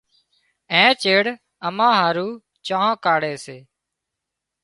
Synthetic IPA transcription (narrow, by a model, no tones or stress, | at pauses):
ẽːt͡ʃeːɽ | əmãːɦaːɾuː | t͡ʃãːãːkaːɽeːseː